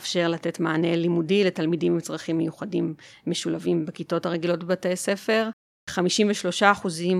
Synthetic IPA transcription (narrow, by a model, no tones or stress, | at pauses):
fʃe̞ʁlate̞tmaːne̞limudiletalmidimimt͡sʁaχimːejuχadimːe̞ʃulavimbekito̞thaʁeɡilo̞tbbatejse̞fe̞ʁ | χamiʃimveʃlo̞ʃaːχuzim